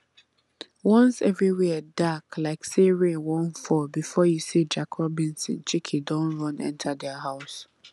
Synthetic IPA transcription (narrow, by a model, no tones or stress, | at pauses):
wɔ̃nsɛvɹiwidaklaɪkseɹewɔ̃nfɔbifɔjusid͡ʒakʰɔbĩnsḭ̃nt͡ʃikʰidɔ̃nɹɔ̃nɛ̰̃ntʰadɛaɦaʊs